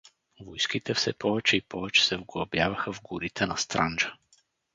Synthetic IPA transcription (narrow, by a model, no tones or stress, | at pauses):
vɔjskit̪ɛfsɛpɔvɛt͡ʃɛipʰɔvɛt͡ʃɛ̥sɛvɡɐbjavɐxəvɡuɾit̪ʰɛnast̪ɾand͡ʒa